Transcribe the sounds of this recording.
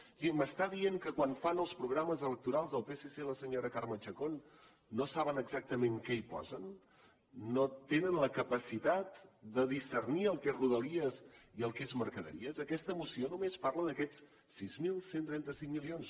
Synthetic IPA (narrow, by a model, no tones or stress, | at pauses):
ʒiməst̪aðieŋkəkwanfanəlˠspɾuɣɾaməzələk̚t̪uɾalˠzðəlˠpeseseləsəɲoɾəkaɾmət͡ʃəkonː | osaβ̞ənəɡzak̚t̪əmeŋkɛipɔ̰zənː | ot̪enənləkəpəsit̪at̪d̪əðisərniəlˠkezruðəliəziəlˠkezməɾkəðə̰ɾḭəzəkɛst̪əmusionumespaɾləðəkɛt͡s | sizmilˠsent̪ɾɛnt̪əsiŋmilions